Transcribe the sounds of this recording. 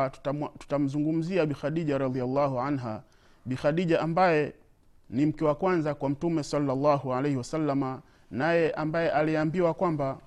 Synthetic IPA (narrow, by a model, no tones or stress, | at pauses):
tu̥tam̩zuŋɡum̩ziaɓixaɗiʄaɾɑd̪ialːaɦuʕanɦa | ɓixaɗiʄaʔambajɛ | nim̩kɛwakwanzakwam̩tumɛsɑlːalːaːɦualejhiwasalːama | najɛʔambajɛʔaliambiwakwamba